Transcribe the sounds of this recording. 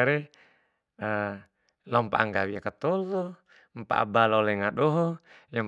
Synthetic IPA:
aɾɛ | ə | lɔmpa̰ʔaŋɡawiakat̪ɔlɔ | mpa̰ʔa̰balɔolɛŋaɗɔɦɔjam

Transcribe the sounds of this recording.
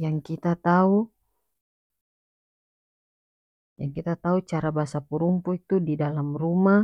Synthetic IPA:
jaŋkit̪at̪au | jaŋkit̪at̪aut͡ʃaɾabasapuɾumpuit̪udidalamruma

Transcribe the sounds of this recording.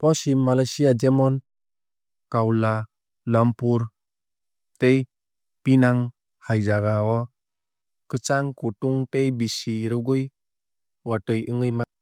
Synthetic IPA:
pɔsimːalajsiad͡ʒɛmɔn | kawla | lampuɾ | tej | pinaŋ | hajd͡ʒaɡaɔ | kɯt͡ʃaŋkutuŋtejbisiɾuɡuj | watɯjɯŋɯjma

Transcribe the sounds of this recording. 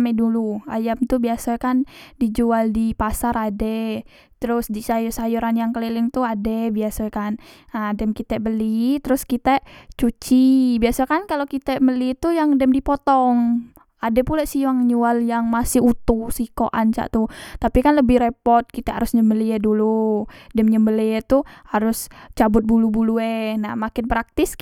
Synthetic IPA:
mɛdulua̰jamt̪ubiasakandid͡ʒualdipasaɾadɛ | t̪əɾʊsdisajusajuɾanjaŋkəlelɪŋt̪uadɛbiasakanadɛmkit̪abəlit̪əɾʊskit̪aʔt͡ʃut͡ʃibiasakankalokit̪aməlit̪ujaŋdɛmdipɔt̪ɔŋ | adɛpulaʔsiaŋɲualjaŋmasɪhut̪usiko̰ʔa̰nt͡ʃa̰ʔt̪ut̪apikanləbɪhɾepɔrt̪̚kit̪aa̰ɾʊsɲəmbəliɛduludɛmɲəmbəliɛt̪uhaɾʊst͡ʃabʊt̪̚bulubuluɛnahmakɪnpɾak̚t̪ɪs

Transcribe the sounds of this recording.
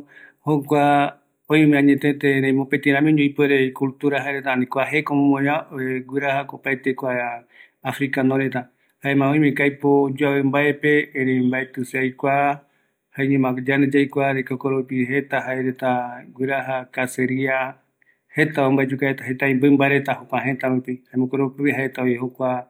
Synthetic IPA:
hokʷa | õjmẽãɲẽt̪et̪eɾẽj̃mõpet̪ĩɾ̃ãmĩõɲõjpeɾekult̪uɾaɦaeɾet̪anĩkʷaɦe̞komõmõɲãeɡʷɨɾahakopaet̪ekʷaː | fɾikanõɾet̪a | haemãõj̃mẽkajpod͡ʒuawembaepeːɾembaet̪ɨseajkʷa | haẽɲẽmãɡd͡ʒaned͡ʒajkʷaɾekokoɾopiɦet̪aɦaeɾet̪aɡʷwiɾaɦakaseɾia | he̞t̪aombaed͡ʒukaet̪aɦet̪aĩmbɨmbaeɾet̪aɦokʷaɦet̪aβupihaemõkoɾopiβiɦaet̪aojehokʷa

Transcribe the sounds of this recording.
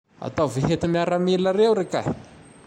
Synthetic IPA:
a̰t̪aveɦet̪imiaɾamiləɾewɾeka̰̥

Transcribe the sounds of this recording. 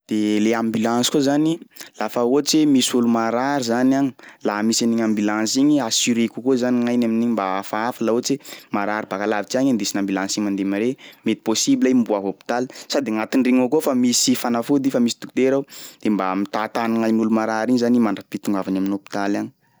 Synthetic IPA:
d̪̥eleambilãnsi̥kozanilafaot͡ʃemisulumaɾaɾizanaŋilaɦmisaniɲambilãnsiɲiasiɾekukozaniŋajnaminiɲimbaafaafalaot͡semaɾaɾibakalavit͡ʃiaɲand̪esinambilãnsimand̪emaɾemet̪i̥posibilambuafopi̥t̪alsad̪eŋat̪iɳɖ͡ʐiŋokofamisifanafud̪ifamisi̥t̪u̥kut̪eɾawd̪̥embamit̪at̪anaŋajnulumaɾaɾiɲizanimaɳɖ͡ʐapit̪uŋɡavanaminopi̥t̪alaɲi̥

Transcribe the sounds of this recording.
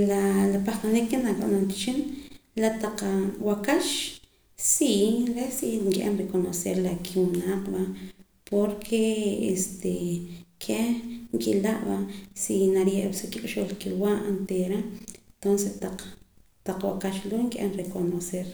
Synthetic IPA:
lalapaxt̪anikːenakʼaʔnamki̥t͡ʃinlat̪aqwakaʃ | siɾesiŋkʼʔḛmɾekonoseɾlakʰiwunaːqbaʔ | pʰoɾkʰeḛst̪ekʰeŋkʼilaʔbasinaɾjeʔbsukikʼʃolkiwaʔnt̪eɾant̪onset̪aq͡χ | t̪aq͡χwakaʃloŋkʼʔḛnɾekonoseɾ

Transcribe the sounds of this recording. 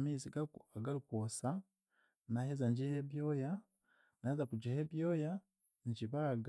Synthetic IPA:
miziɡaaɡalukosa | nahezaɲɟiheβjoja | naezakud͡ʒeheβjoːja | ɲɟiβaɡ

